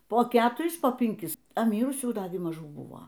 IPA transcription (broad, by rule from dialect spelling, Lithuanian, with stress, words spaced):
poː ˈkʲæːtʊrʲɪs poː pʲɪŋʲˈkʲɪs ɐ ˈmʲiːrʊsʲuː ˈdɑːɡʲɪ mɐˈʒuː ˈbʊʋoː